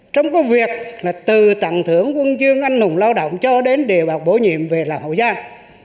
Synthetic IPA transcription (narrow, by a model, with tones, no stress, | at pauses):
t͡ɕɔ˧wŋ͡mkɔ˨˦vi˨˩ək̚laː˨˩t̪ɨ˨˩t̪a̰˧˨ŋt̪ʰɨ˧˩əŋkwə˧nzɨ˧əŋʔa˧jŋ̟nʊ˨˩ŋ͡mlaː˧wɗo̰˧˨wŋ͡mt͡ɕɔ˧ɗe˨˦nɗe˨˩əwɓaː˨˩w̚k͡p̚ɓo˧˦ɲḭ˧˨əmve˨˩laː˨˩mho̰˧˨jzaː˧